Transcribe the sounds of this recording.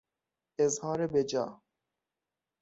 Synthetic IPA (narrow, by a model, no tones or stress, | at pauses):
ɪzhɑːɾebed͡ʒɑ̰ː